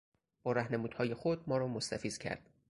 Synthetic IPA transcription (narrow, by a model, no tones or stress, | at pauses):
b̥ɒːɾæhne̞muːd̪̥hɒːje̞xod̪̚mɒːɾɒːmost̪æfiːz̥cʰæ̰ɾd̪̥